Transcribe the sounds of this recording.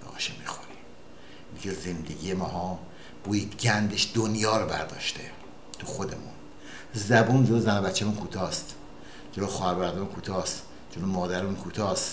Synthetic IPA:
bɒ̰ʃemiːxoɾim | d̪iɡezend̪eɡʲijemɒːɦɒː | b̥uːjiːd̪ɡʲænd̪eʃd̪onjɒːɾbæ̰ɾd̪ɒ̰ːʃt̪e | t̪ʰuxod̪emṵn | zæbuːnd͡ʒolozænobæt̪t͡ʃːæmunkʰuːt̪ʰɒːst̪ | d͡ʒeloxɒːhæɾbæɾd̪ɒːmunkʰuːt̪ʰɒːst̪ | d͡ʒolomɒːd̪æɾmunkʰuːt̪ʰɒːst̪

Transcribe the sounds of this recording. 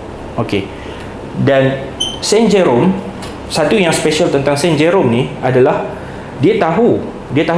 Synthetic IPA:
oke | dansɛnd͡ʒɛɾom | sat̪ujaŋspeʃalt̪ənt̪aŋsɛ̃nd͡ʒeɾomniadalah | diat̪aɦu | diat̪aɦ

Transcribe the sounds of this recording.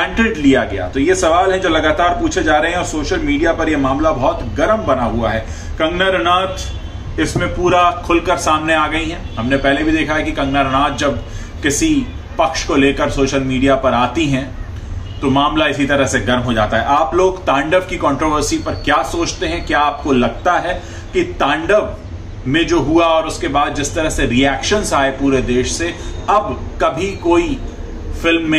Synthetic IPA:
ɛ̃ːɳɖɾɪɖlijaɡɐja̰t̪ojesɐʋaːlɦɛ̃d͡ʒoːlɐɡaːt̪aːɾpuːt͡ʃʰed͡ʒaːɾɐɦeɦɛ̃ɔːɾsoːʃəlmiːɖijapɐɾjemaːmlabɔɦt̪ɡɐɾəmbɐnaɦuaɦɛː | kɐ̃ŋɡnaɾɐnaːt̪ | ɪsmẽpuːɾakʰʊlkɐɾsaːmneaːɡɐiɦɛ̃ɦɐmnepɛɦlebʱid̪eːkʰaɦɛkikɐ̃ŋɡnaɾɐnaːt̪̚d͡ʒɐb | kɪsi | pɐkʃkoleːkəɾsoːʃəlmiːɖijapɐɾaːt̪iɦɛ̃ | t̪omaːmlaɪsit̪ɐɾəɦseɡɐɾmɦod͡ʒa̰ːt̪aɦɛaːploːɡt̪ãːɳɖəʋkikɔ̃ːɳʈɾoːʋəɾsipɐɾkjaːsoːt͡ʃt̪eɦɛ̃kjaːaːp̚kolɐɡ̚t̪aɦɛ | kit̪ɛ̃ːɳɖəʋ | mẽd͡ʒoːɦuaɔːɾʊskebaːd̪̚d͡ʒɪst̪ɐɾəɦseɾiɛːkʃənzaːepuːɾed̪eːʃseɐbkɐbʱikoːi | fɪlmːẽ

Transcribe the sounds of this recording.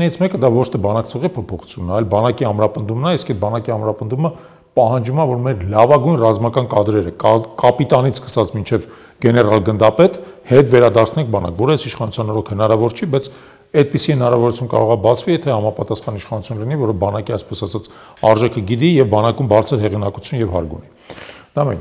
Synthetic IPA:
nɛɾit͡sʰmɛkəd̪ɑvɔt͡ʃʰt̪ʰɛbɑnɑkt͡sʰɔʁipʰɔpʰɔχu̥t͡sʰjunːəɑjlbɑnɑkiɑmɾɑpənd̪umnɑiskɛt̪̚bɑnɑkiɑmɾɑpənd̪umə | pɑhɑnd͡ʒumɑvɔɾmɛɾlɑvɑɡujnrɑzmɑkɑnkɑd̪ɾɛɾəkɑpit̪ɑnit͡sʰskə̥sɑt͡sʰmint͡ʃʰɛv | ɡ̥ɛnɛrɑlɡənd̪ɑpɛt̪hɛt̪vɛɾɑd̪ɑɾt͡sʰnɛŋk̚ʰbɑnɑ̰kvɔɾəəsiʃχɑnut͡sʰjɑnɔɾɔkʰhənɑɾɑvɔɾt͡ʃʰibɑjt͡sʰ | ɛt̪̚pisihənɑɾɑvɔɾut͡sʰjunkɑ̰ɾɔʁɑbɑt͡sʰvijɛt̪ʰɛhɑmɑpɑt̪ɑsχɑniʃχɑnut͡sʰjunlinivɔɾəbɑnɑkiɑjspɛsɑsɑt͡sʰ | ɑɾʒɛkʰəɡid̪ijɛvbɑnɑkumbɑɾt͡sʰəɾɦɛʁinɑkut͡sʰjunjɛvhɑ̰ɾɡṵni | d̪̥ɑmɛ̰n

